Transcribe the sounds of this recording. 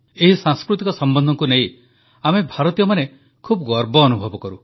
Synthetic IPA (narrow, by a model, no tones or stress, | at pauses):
eɦisãŋskɾut̪ikɔsɔmbɔnd̪ʱɔŋkunej | amebʱaɾɔt̪ijɔmane | kʰubɡɔɾbɔːnubʱɔbɔkɔɾu